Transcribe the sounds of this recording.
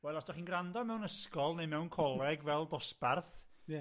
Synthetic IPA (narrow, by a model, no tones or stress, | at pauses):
wɛlˠɔsd̥ɔχinɡrandɔmɛwnəskɔlˠnejmɛwnkʰɔlˠɛɡvɛlˠdɔsparθ